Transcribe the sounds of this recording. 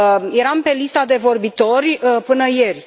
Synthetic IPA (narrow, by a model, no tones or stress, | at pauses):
je̞ɾampe̞list̪ad̪e̞vo̞rbit̪o̞rʲpɨnəjerʲ